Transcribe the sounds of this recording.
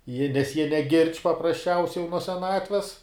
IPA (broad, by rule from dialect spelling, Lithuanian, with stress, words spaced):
jiɛ nʲɛs jiɛ nʲɛˈɡʲɪrʲt͡ʃʲ pɐprɐsʲˈt͡ʃʲɛʊsʲɛɪ jɛʊ nuɔ sʲɛˈnɑːtʲʋʲɛs